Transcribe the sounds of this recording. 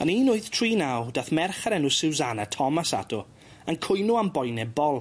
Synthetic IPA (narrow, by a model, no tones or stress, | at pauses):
a̰niːnʊɨθtʰriːnawd̥aθmɛrχaɾɛnʊsɪwzanatʰɔmasa̰dʊ | ankʰʊjnʊambɔjnɛbɔlˠ